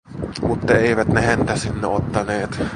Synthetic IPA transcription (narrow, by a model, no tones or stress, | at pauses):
mut̪ːɑeˑiʋæt̪nehænt̪æsinːeot̪ːɑneːt̪